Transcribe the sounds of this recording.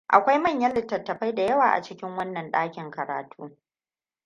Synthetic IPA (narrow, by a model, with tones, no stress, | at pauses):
ʔa̰˨kʷa˦jmɐ˦˨ɲjɐ˦lɪ˦tːɐ˨tːɐ˨ɸa˦jda˨jɐ˦waː˨ʔa̰˨t͡ʃɪ˦kʲɪ˦ŋwɐ˦nːɐ˨nɗaː˦kʲɪ˨ŋkɐ˨ɾa̰ː˨tʰuː˦